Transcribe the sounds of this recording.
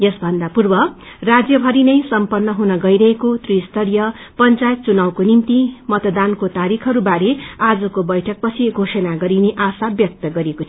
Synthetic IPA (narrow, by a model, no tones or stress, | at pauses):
jʌsbʱʌnd̪apurbʌ | rad͡zjʌbʱʌɾinʌjsʌmpʌrnːʌɦunʌɡʌiɾʌɦekot̪rist̪ʌɾjʌpʌnt͡sajʌt̪̚t͡sunawkonimt̪imʌt̪ʌd̪ankot̪aɾikʰʌɾubaɾead͡zʌkobʌjʈʰʌk̚pʌt͡sʰiɡʱosʌnaɡʌɾineʔasabjʌk̚t̪ʌɡʌɾeko